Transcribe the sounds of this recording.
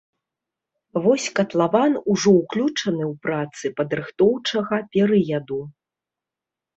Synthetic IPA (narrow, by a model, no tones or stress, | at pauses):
vɔsʲkɐt̪lˠavanuʐɔwklʲut͡ʂɐnɨwpɾat̪sɨpɐd̪ɾɨxt̪ɔwt͡ʂɐɣɐpʲɛɾɨjɐd̪u